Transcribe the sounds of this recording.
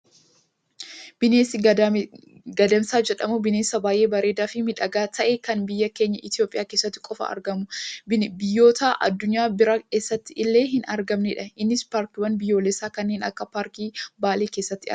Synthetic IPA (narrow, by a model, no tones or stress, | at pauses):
bɪneːsɪ | ɡɐd̪ɐmsaːd͡ʒɛᶑɐmʊbɪneːsɐbaːjʔe̞ːbɐɾe̞ːd̪aːfɪmɪᶑɐɡaːt̪ʰɐʔɛkɐnbɪjːɐke̞ːɲːɐʔɪt̪ɪjoːpʼɪjaːkeːsːɐt̪ːɪ̥kʼɔfɐ̰ɐ̰ɾɡɐmʊbɪjːo̞ːt̪ʰaʔɐ̰d̪ːʊɲːaːbɪɾɐke̞ːsːɐt̪ːɪʔɪlːe̞ːɦɪnɐɾɡɐmnɛᶑɐɪnːɪspaːɾkɪwɐnbɪjːo̞ːlɛsaːkɐnːeːnɐ̰kːɐpaːɾkiːbaːleːke̞ːsːɐt̪ːɪɐ̰